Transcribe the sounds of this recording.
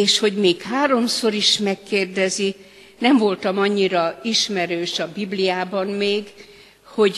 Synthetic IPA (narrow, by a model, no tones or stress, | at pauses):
eːʃho̞ɟmeːkhaːɾo̞mso̞ɾiʃmɛkːeːrd̪ɛzi | nɛmvo̞lt̪ɒmɒɲːiɾɒiʃmɛɾøːʃɒbiblijaːbɒnmeːɡ | ho̞ɟ